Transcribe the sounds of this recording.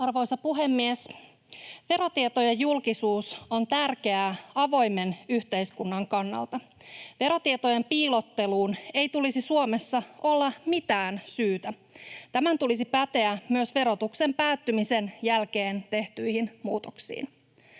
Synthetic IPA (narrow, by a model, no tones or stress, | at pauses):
ɑrʋo̞jsɑpuɦemːies | ʋe̞ɾo̞t̪iet̪ojɑjulkisuːso̞nt̪ærke̞æɑʋo̞jme̞nyht̪e̞jskunːɑŋkɑnːɑ̰lt̪ɑ | ʋe̞ɾo̞t̪iet̪ojempiːlo̞t̪ːe̞luːne̞jt̪ulisisuome̞sːɑo̞lːɑmit̪æːnsyːt̪æ | t̪æmænt̪ulis̬ipæt̪e̞æmyøsʋe̞ɾo̞t̪ukse̞mpæːt̪ːymise̞njælkeːnt̪e̞ht̪yjhinmuːt̪oksḭːn